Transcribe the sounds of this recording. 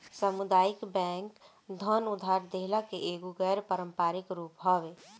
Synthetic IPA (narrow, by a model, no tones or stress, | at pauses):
səmʊd̪aːjɪkbɛ̃ːŋk | d̪ʱənʊd̪ʱaːɾd̪eɦlakeʔeːɡuɡɛːɾpəɾə̃mpaːɾɪkɾuːpɦɔʋe